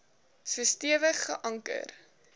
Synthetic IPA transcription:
fəstiəvəχːəʔɐŋkə̰r

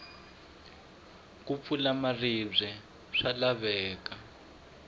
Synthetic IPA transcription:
k̬up̪fulamarib͡ʐʷɛ | ʂalaβɛːka

